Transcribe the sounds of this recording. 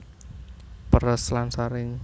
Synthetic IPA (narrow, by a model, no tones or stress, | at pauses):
pəɾəslansaɾɪŋ